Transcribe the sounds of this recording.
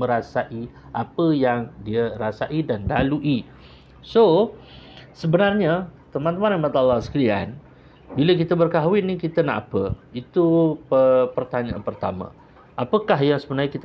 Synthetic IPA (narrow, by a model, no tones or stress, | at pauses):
mə̃ɾasaʔiʔapəjaŋdiəɾasaʔidanlaluʔi | so | səbənarɲat̪əmãnt̪əmanamat̪alːasə̥kəlia̰n | bilək̬it̪əbərkaɦwɪt̪̚nikit̪ənaʔapəit̪upəpərt̪aɲãʔa̰npərt̪a̰mã̰ | ʔapəkaɦjaŋsəbənaɲəkit̪ə